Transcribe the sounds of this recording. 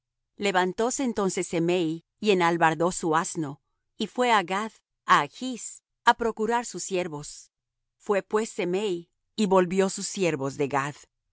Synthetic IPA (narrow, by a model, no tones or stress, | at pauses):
le̞βant̪o̞se̞ːnt̪o̞nse̞semej | ienalβaɾðo̞suasno̞ | ifwe̞aɣað | axis | apɾo̞kuɾaɾsusje̞ɾβo̞s | fwe̞pwe̞sːemej | iβo̞lβjo̞susje̞ɾβo̞zðe̞ɡað